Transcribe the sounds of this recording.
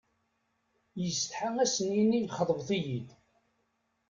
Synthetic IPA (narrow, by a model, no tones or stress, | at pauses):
jəst̪ħaŋæsəninijχəðˤəvθˤijid̪